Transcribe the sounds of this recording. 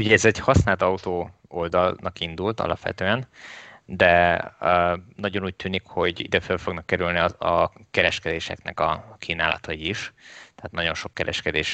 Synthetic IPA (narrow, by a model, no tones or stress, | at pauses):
uɟɛːzɛɟhɒsnaːlt̪ɒut̪oː | old̪ɒlnʔɒkind̪ult̪ɒ̰lɒ̰pʋɛ̰t̪øːɛnd̪ɛ | nɒɟo̞nuːc̚t̪yːnikho̞ɟid̪ɛfølfo̞ɡnɒkːɛɾylniɒɒkɛɾɛʃkɛd̪eːʃɛ̰knɛ̰kɒkʰiːnaːlɒ̰t̪ɒiiʃt̪ɛɦaːt̪nɒɟo̞nʃo̞kːɛɾɛ̰ʃkɛd̪ḛːʃ